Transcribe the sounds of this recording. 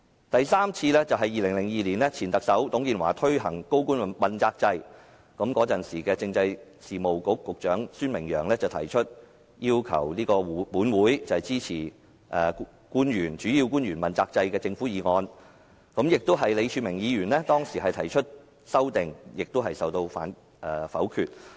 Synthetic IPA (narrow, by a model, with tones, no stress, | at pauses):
t̪ɐ˨jsaː˥mt͡sʰiː˧lɛ˥t͡sɐ˨wɦɐ˨jːiː˨lɪ˨˩ŋlɪ˨˩ŋjiː˨liː˨˩nlɛ˥t͡sʰiː˨˩nt̪ɐ˨k̚sɐ˨˥wt̪ʊ˨˥ŋkiː˧nwa̰ː˨˩t̪ʰɵ˥ɥɦɐ˨˩ŋko˥wkuː˥n˨mɐ˨nt͡saː˧k̚t͡sɐ˧j | kɐ˨˥mkɔː˨˥t͡sɐ˨nsiː˨˩kɛː˧t͡sɪ˧ŋt͡sɐ˧j | siː˨˩mo˨wkʊ˨˥kːʊ˨k̚t͡ʃœː˨˥ŋsyː˥nmɪ˨˩ŋjœː˨˩ŋlɛː˥t͡sɐ˨wt̪ʰɐ˨˩jt͡ʃʰɵ˥t̚ | jiː˥wkʰɐ̰˨˩wliː˥kɔː˧˨˥puː˨˥nwuː˨˥jt͡sɐ˨hɛ˨jt͡siː˥t͡sʰiː˨˩ | ʔɛː˨˩ | kuː˥njyː˨˩nt͡ʃyː˨˥jiː˧wkuː˥njyː˨˩nmɐ˨nt͡saː˧k̚t͡sɐ˧jkɛː˧t͡sɪ˧ŋfuː˨˥jiː˨˧ŋɔː˧n | kɐ˨˥mjɪ˨k̚t̪ʊ˥wɦɐ˨jle˨˧jt͡ʃʰyː˨˧mɪ˨˩ŋjiː˨˧ɥyː˨˩nlɛ˥t̪ɔː˥ŋsiː˨˩ɦɐ˨jt̪ʰɐ˨˩jt͡ʃʰɵ˥t̚ | sɐ˥wt̪ɪ˨ŋjɪ˨k̚t̪o˥ɦɐ˨jsɐ˨wt̪o˧wfa̰ː˨˥n | ʔɛː˨˩fɐ̰˨˥wkʰyː˧t̚